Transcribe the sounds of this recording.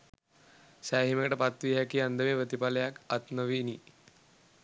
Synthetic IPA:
saɦimekʈəpat̪ʋiɦakiand̪ʱəʋeʋət̪ipaljakat̪nəʋini

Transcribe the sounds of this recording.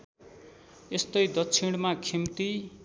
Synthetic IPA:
est̪ʌjd̪ʌkt͡sʰiɽ̃makʰimt̪i

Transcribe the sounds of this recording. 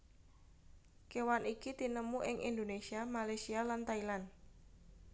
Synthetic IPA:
kewanikit̪inəmuʔɪŋʔind̪onesiamalasialant̪ailan

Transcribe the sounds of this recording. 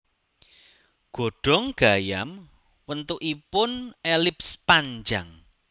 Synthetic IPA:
ɡ̥o̤ɖ̥ɔ̤ŋɡ̥ajam | wənt̪uʔipʊnelɪpspaɲd͡ʒaŋ

